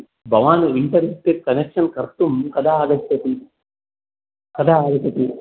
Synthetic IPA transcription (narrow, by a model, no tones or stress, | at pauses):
bʱɐʋaːnuiɳʈɐɾesʈ̪eʈ̚kɐnekʂɐnkɐɾt̪umkɐd̪ʱaːaːɡɐt̪ːɐt̪i | kɐd̪ʱaːaːɡɐt̪ːɐt̪i